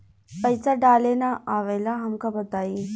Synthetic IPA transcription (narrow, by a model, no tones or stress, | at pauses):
pəɪsaɖaːleːnaaːʋeːlaɦɐmkabɐt̪aːiː